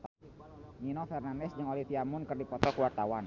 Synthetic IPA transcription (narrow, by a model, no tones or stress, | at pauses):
ɲinɔfɛrnandɛsd͡ʒəŋolifiamʊnkɨrdipɔt̪ɔkəwart̪awan